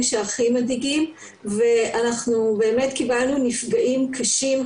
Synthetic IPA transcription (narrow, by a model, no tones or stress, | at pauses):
ʃeaχimadiɡim | ve̞anaχnube̞ːme̞tkibalnunifɡaʔimkʰaʃim